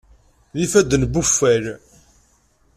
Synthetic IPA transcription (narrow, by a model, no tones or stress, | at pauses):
ðifæd̪ənbufːæɾ